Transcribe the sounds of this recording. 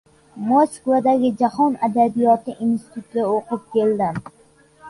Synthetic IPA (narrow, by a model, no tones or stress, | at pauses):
moskvad̪aɡʲɪd͡ʒahɒnad̪abijɒt̪ɪʔinst̪ɪ̥t̪ʰut̪̚ɡʲaoqɨp̚kʲe̞ld̪ɪm